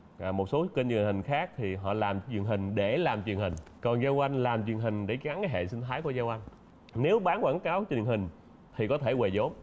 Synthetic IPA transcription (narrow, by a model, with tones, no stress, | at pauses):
ʔaː˨˩mo˨˩t̚so˨˦ke˧nwi˨˩ə˩nhï˨˩ŋ̟xaː˦˥k̚t̪ʰi˨˩ɦɔ̰˧˨laː˨˩mt͡ɕwi˨˩ənɦï˨˩ŋ̟ɗe˧˩laː˨˩mt͡ɕwi˨˩ənhï˨˩ŋ̟kɔ˨˩nzaː˧wʔa˧jŋ̟laː˨˩mt͡ɕwi˨˩ənɦï˨˩ŋ̟ɗe˧˩˦ɣa˨˦nkaː˨˦jɦḛ˧˨nsï˧ŋ̟t̪ʰaː˨˦jku˧˩ə˦zaː˧wʔa˧jŋ̟ | ne˨˦wɓaː˨˦nkwaː˧˩ŋkaː˨˦wt͡ɕwi˨˩ənɦï˨˩ŋ̟ | t̪ʰi˨˩kɔ˨˦t̪ʰe˧˩we˨˩zo˨˦m